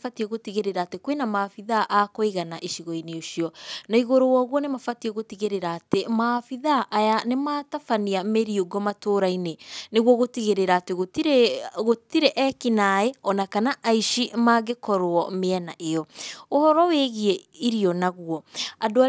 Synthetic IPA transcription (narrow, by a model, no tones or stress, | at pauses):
fatiɛɣotiɣeɾeɾaːtekwenamaːfiðaʔakoiɣanaʔiʃiɣɔineoʃiɔnaiɣoɾowɔːɣwɔnemafatiɛɣotiɣeɾeɾaːtemafiðaʔːjanematafaniameɾioɡɔmatoːɾaineneɣwɔɣotiɣeɾeɾaːteɣo | ɣotiɾeʔɛkinaeɔnakanaʔaiʃimaɣekɔɾoɔmeɛnaʔejɔohɔɾɔweɣie | iɾiɔnaɣuɔadoa